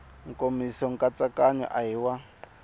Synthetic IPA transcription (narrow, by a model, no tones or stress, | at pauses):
ŋ̩komisɔŋ̩kʼat͡sakaɲɔ̰ʔaɦiwa